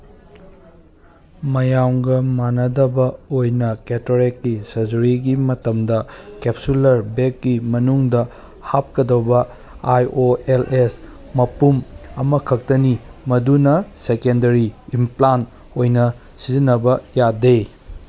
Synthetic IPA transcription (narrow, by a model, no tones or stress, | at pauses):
mɐjamɡɐmanɐdɐbɐojnɐketoɾekːisɐzuɾiɡimɐtɐmdɐkep̚sulɐɾbekːimɐnuŋdɐ | hap̚kɐdɐwbɐ | ajoeles | mɐpumɐmɐkʰɐk̚tɐnimɐdunɐsekendɐɾiːmplan | ojnɐ | sizinːɐbɐjadej